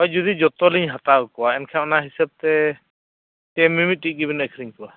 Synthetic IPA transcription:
ɔjd͡ʒɔd̪id͡ʒɔt̪ɔliɲɦat̪awkɔwaɛnkʰaɔnaɦisab̚t̪ɛ | tɛmːimit̪̚tik̚ˀɡibinɛkʰɾiɲkɔwa

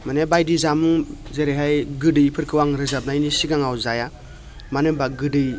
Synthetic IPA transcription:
manebajdizamuŋzeɾeɦajɡɯdɯjpʰɯɾkʰɯwaŋɾɯzap̚najnisiɡaŋawzaja | manɯbaɡɯdɯj

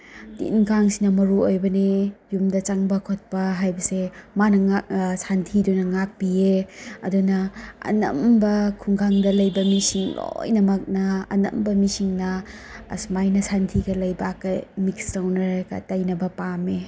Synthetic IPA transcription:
tḭnkʰaŋsinɐmɐɾuojbɐnejumdɐt͡ʃaŋbɐkʰot̚pɐɦajbɐsemanɐŋsantʰidunɐŋak̚pieɐdunɐɐ̰nɐ̰mbɐkʰuŋɡʰaŋdɐlɐjbɐmisiŋlo̰jnɐmɐk̚nɐɐ̰nɐ̰mbɐmisiŋnɐ̰ːsmajnɐsantʰiɡɐlɐjbakɐmikstawnɐɾka̰tajnɐbɐpame

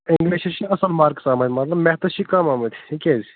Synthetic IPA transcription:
ɪŋɡliʃɐʃʰiɐsɐlmaːɾksaːmɐt̪ʲmɐt̪lɐbmɛht̪ɐʃʰikɐmaːmɐt̪ʰiikʲezi

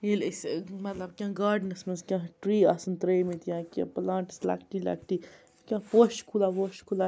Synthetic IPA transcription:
ilismɐt̪lɐbkʲãːɡaːɖnɐsmɐnskʲãːʈɾiːasɨnt̪ɾejmĩt̪jãkʲã̰plãːʈsla̰kʈila̰kʰʈiː | kʲãːpoʃkʰulapoʃkʰulaː

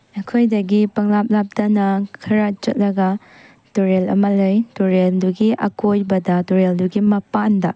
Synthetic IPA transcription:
ɐkʰojdɐɡipɐŋlap̚lap̚dɐnɐkʰɐɾat͡ʃɐt̚lɐɡɐ | toɾelɐ̰mɐlɯjtoɾelduɡiʔɐkojbɐdɐtoɾelduɡimɐpandɐ

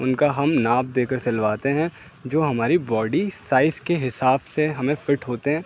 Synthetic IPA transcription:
ʊnkaɦɐmnaːb̚d̪eːkəɾsɐlʋaːt̪eɦɛ̃ | d͡ʒoːɦɐmaːɾibɔːɖisaːɪskeɦɪsaːbseɦɐmẽfɪʈɦoːt̪eɦɛ̃ː

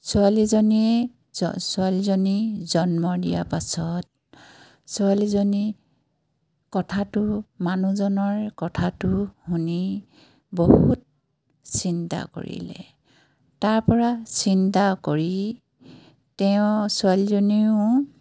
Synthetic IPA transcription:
sualizɔniɛ | sualizɔnizɔnmɔdija̰pasɔt̚ | sualizɔni | kɔtʰatʊmanuzɔnɔɹkɔtʰatʊhuni | bɔhut̚ | sinta̰ko̰ɹḭlɛ̰ | taɹpɔɹasintakoɹi | tɛʊ̃sualizɔnijʊ̃

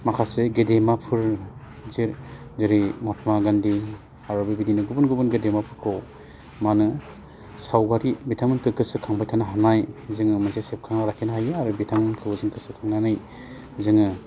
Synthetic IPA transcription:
makʰaseɡedemapʰɯɾ | ziɾzɯɾimɔtʰmaɡandi | aɾɔbibidinɯɡubunɡubɯnɡedemapʰɯɾkʰɯw | manɯ | sawɡaɾibitʰamɯnkʰɯkɯsɯkʰaŋbajtʰanaɦanajzɯŋɯmɯnsajsep̚kʰaŋaɾakʰenɦajɯaɾubitʰaŋɯnkʰɯwzɯŋkɯsɯkʰaŋnanɯj | zɯŋɯ

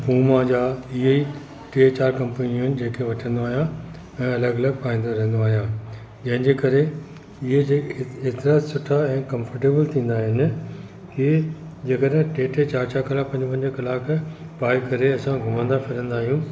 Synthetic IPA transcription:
buːmãd͡ʑaːɪɦei | ʈet͡ɕaːɾkɐ̃mpənijõɦɪnɪ̆d͡ʑeːkʰeʋɐʈʰə̃nd̪oaːɦijã | ɛ̃ːɐləɡɐləɡ̚paːĩːnd̪oɾɐ̃ɦɪ̃n̆d̪oaːɦijãː | d͡ʑɐ̃ɦɪ̃ɲd͡ʑeːkɐɾe | ɪɦed͡ʑeet̪ɪɾaːsʊʈʰaɛ̃ːkɐ̃mfəɾʈeːbəlt̪ʰĩːn̆d̪aːɦɪnɪ̆ | ki | d͡ʑeːkəɗɦɪ̃ʈeːʈeːt͡ɕaːɾt͡ɕakɐlaːpɐ̃ɲd͡ʑpɐ̃ɲd͡ʑəkɐlaːkpaːikɐɾeɐsãɡʱʊmə̃nd̪afɪɾə̃nd̪aːɦijũː

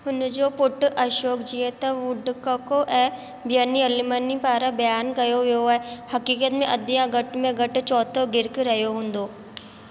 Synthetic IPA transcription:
ʊnd͡ʒopʊʈʔɐʃoːkd͡ʒiet̪ɐʋʊɖkakoʔɛ̃ː | bjaniɐlimənipaːɾabɐjaːnkɐjoɦjoɛːhɐkiːkət̪mẽʔɐd̪ijãɡɐʈmẽɡɐʈt͡ʃɔːt̪ʰoɡɪɾkeɾɐɦjoɦõːnd̪oː

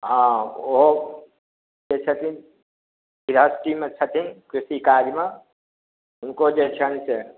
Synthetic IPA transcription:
ɦãoɦo | d͡ʒet͡ʃʰət̪ʰin | biɾəsʈimet͡ʃʰət̪ʰinkɾusikad͡ʒme | ɦʊnkod͡ʒet͡ʃʰənse

